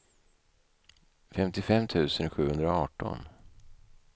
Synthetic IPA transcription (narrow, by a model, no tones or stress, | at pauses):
fɛmt̪ɪfɛmːt̪ʰʉ̟ːsənɧʉ̟ːhɵnd̪ɾaɔɑːʈɔ̰n